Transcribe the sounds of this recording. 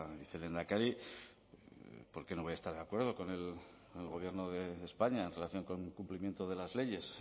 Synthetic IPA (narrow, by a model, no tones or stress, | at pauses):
iθele̞nd̪akaɾi | po̞ɾke̞noβojast̪aɾðeakwe̞ɾð̞o̞ko̞ne̞l | lɣo̞β̞je̞ɾnoðeːspaɲaenre̞laθjo̞ŋko̞ŋkumplimje̞nt̪oðe̞lazle̞ʝe̞s